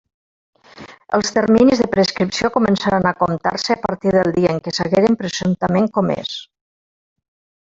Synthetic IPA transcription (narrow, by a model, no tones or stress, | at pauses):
əlˠst̪əɾminizðəpɾəskɾipsiokumənsaɾanəkomt̪a̰ɾsəːpəɾt̪iðəlˠd̪iəəŋkəsəɣeɾəmpɾəzunt̪əmeŋkɔmḛs